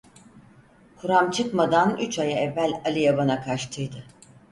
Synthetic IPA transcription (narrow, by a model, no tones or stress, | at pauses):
kʰuɾamt͡ʃʰɯkmad̪anyt͡ʃʰajaɛvːælʲalʲijabanakʰaʃt̪ʰɯjd̪ɯ